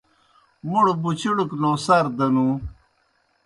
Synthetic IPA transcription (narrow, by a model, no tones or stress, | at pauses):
muɽbut͡ɕʰiɽuknõːsɐɾd̪ɐnũ